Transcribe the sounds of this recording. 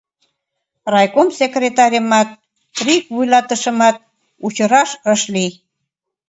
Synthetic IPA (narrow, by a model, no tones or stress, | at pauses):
rɑjkomsekrʲet̪ɑɾʲəmɑt̪̚ | rikβujlɑt̪əʃə̆mɑt̪̚ | ut͡ɕəɾɑʃəʃlij